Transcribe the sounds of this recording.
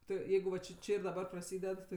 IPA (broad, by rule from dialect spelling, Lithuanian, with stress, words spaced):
ˈtʊ ˈjɛɪɡʊ ʋɐ t͡ʃʲɪ ˈt͡ʃʲɪ ɪr dɐˈbɐ prɐˈsʲiːdʲɛt ˈtʲɪ